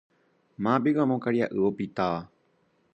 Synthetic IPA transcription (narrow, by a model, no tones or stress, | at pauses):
mãbiwamõkaɾjaʔɨopit̪aʋa